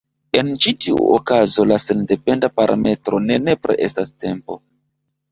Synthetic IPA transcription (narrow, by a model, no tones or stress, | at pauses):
e̞nt͡ʃitiṵokazo̞lase̞nde̞pe̞ndapaɾʔa̰me̞tɾo̞ne̞ne̞pɾḛʔestaste̞mpo̞